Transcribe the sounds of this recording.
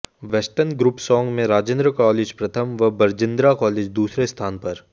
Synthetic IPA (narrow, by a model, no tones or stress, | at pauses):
ʋɛsʈənɡɾupsɔ̃ːŋɡmẽɾaːd͡ʒẽnd̪ɾəkɔːleːd͡ʒpɾɐt̪ʰəmʋɐbɐɾd͡ʒɪ̃nd̪ɾakɔːleːd͡ʒd̪uːsɾest̪ʰaːnpɐɾ